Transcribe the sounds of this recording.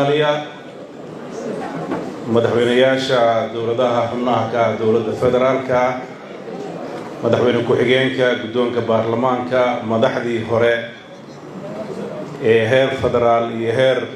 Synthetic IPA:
lɪjɐ | mɐðɑħwɛjnɐjaːʃɐd̪ɔwlɐðɐɦɐrʊnɐɦɐkʰɐd̪ɔwlɐd̪ːɐfɛðɛɾaːlkʰɐ | mɐðɑħwɛjnɐkʰʊħɪɣɛːŋkʰɐɡʊd̪ɔːŋkʰɐbaːrlɐmaːŋkʰɐmɐðɑħðiːɦɔɾɛ | ɛːɦɛːrfɛðɛɾaːlijɞɦɛːr

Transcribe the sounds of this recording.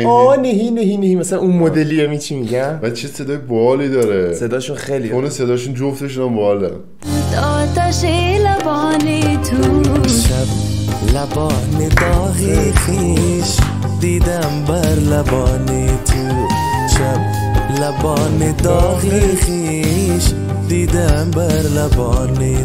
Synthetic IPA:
ɔneɦineɦinehiːmæsælænʔunmod̪elijɛmit͡ʃʰimiɟæmvæt͡ʃʰesed̪ɒːjebːlid̪ɒːɾese̞d̪ɒːʃunxejliːd̪unased̪ɒːʃund͡ʒoft̪eʃunambːld̪ɔɾ̰ | ut̪ɔːt̪æʃelabɔːnet̪ʰuʃæblabɔned̪ɔːɣixiʃ | d̪id̪æmbæɾlabɔːnet̪ʰu | ʃab̚ | labɔːned̪ɒːɣixi | ʃ | d̪id̪ambæɾlabɔːne

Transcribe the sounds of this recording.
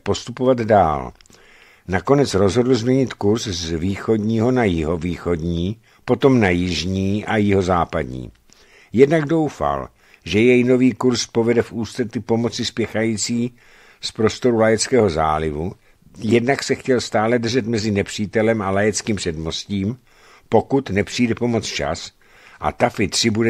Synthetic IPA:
po̞st̪upo̞vad̪da̰ːl | nako̞nɛt͡sɾo̞zɦo̞dl̩zmɲɛɲɪt̪kuɾszviːxo̞dɲiːɦo̞najɪɦo̞viːxo̞dɲiː | po̞t̪o̞mnajɪʒɲiːʔajɪɦo̞zaːpa̰dɲḭː | jɛdnaɡdo̞wfa̰l | ʒɛjɛjno̞viːkuɾspo̞vɛdɛfʔuːst̪rɛt̪ɪpo̞mo̞t͡sɪspjɛxajiːt͡siː | spɾo̞st̪o̞ɾulajɛt͡skɛːɦo̞za̰ːlɪvu | jɛdnaksɛxcɛlst̪aːlɛd̪r̩ʒɛt̪mɛzɪnɛpr̝̥iːt̪ɛlɛmalajɛt͡skiːmpr̥ɛdmo̞sciːm | po̞kut̪nɛpr̝̥iːdɛpo̞mo̞t͡st͡ʃa̰s | ʔa̰t̪afɪt̪r̝̥ɪbudɛ

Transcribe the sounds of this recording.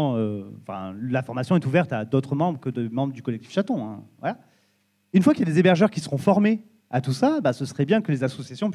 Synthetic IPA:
øɑ̃fɛ̰̃lafɔʁmasjɔ̃ɛt̪uvɛʁt̪ad̪ot̪χəmɑ̃bʁəkəd̪əmɑ̃bʁəd̪ykɔlɛk̚t̪ifʃat̪ɔ̃ɛ̰̃vwa̰la | ynfwakiljad̪ezebɛʁʒœʁkʲisəʁɔ̃fɔʁme | at̪usabasəsəʁɛbjɛ̃kəlezasɔsjasjɔ̃p

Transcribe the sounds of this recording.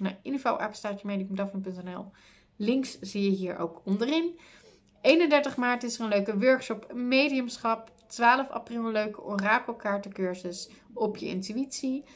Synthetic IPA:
na̰ɪnfawʔɛ̰pstaːtəmejdiəmdɑfɑnp̬ɵntɛnɛ̰lˠ | lɪŋksz̥ijəɦiːɹo̰wkɔndərɪn | ejnəndɛɹtəχmaːɹtɪsərənløɥkəʋøɹkʃɔpmejdiəmsχɑp̚ | tʋaːləfa̰prɪlˠəløɥkəɔmraːkəlˠkaːɹtəkøɹzəs | ɔpjəɪ̰ntyitsi

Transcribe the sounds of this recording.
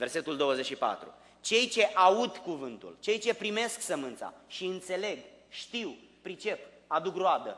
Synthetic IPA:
ve̞rse̞t̪uld̪o̞wəzet͡ʃʃipa̰t̪ɾṵ | t͡ʃe̞jt͡ʃe̞ʔaud̪kuvɨnt̪ṵlt͡ʃe̞jt͡ʃe̞pɾime̞sksəmɨnt̪sa̰ʃiɨnt̪se̞le̞ɡʃt̪iw | pɾit͡ʃe̞p | ad̪ukroad̪ə̰

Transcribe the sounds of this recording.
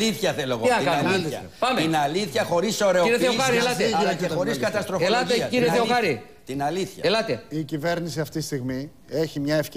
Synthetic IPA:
iθçɐθeloɣoiɐkɐɐ̰ɐpɐmeinɐliθçɐxo̞ɾiso̞ɾe̞oiɾeθeoxɐɾielɐt̪eexoɾiskɐt̪ɐst̪ɾolɐt̪eciɾeθeoxɐɾi | t̪inɐliθçɐelɐt̪e̞icive̞ɾnisiɐft̪i̥st̪iɣmi | eçimɲɐefc

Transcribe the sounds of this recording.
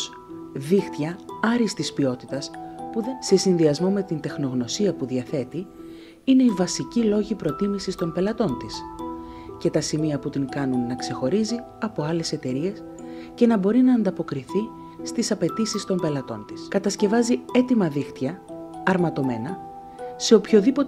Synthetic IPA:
ðixt̪jɐɐɾist̪ispio̞t̪it̪ɐspuðense̞sinðiɐzmo̞me̞t̪int̪e̞xno̞ɣno̞siɐpuðiɐθe̞t̪i | ine̞ivɐsicilo̞ʝipɾo̞t̪imisist̪o̞mpe̞lɐt̪o̞nt̪is | ce̞t̪ɐsimiɐput̪iŋkɐnunːɐkse̞xo̞ɾizi | ɐpo̞ɐle̞se̞t̪e̞ɾie̞s | ce̞nɐbo̞ɾinɐːnd̪ɐpo̞kɾiθi | st̪isɐpe̞t̪isist̪o̞mpe̞lɐt̪o̞nt̪i̥skɐt̪ɐsce̞vɐzie̞t̪imɐðixt̪ɐɐɾmɐt̪o̞me̞nɐ | se̞o̞pço̞ðipo̞

